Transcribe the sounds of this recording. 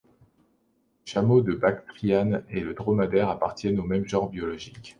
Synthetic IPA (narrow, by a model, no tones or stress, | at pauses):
ʃamod̪əbakt̪χijaneləd̪ʁɔmad̪ɛʁapaʁt̪jɛnomɛmʒɑ̃ʁbjɔlɔʒik